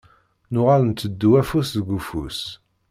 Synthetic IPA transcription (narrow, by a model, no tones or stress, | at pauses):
nʊʁalnt̪ːəd̪ːuwæfusðəɡufṵs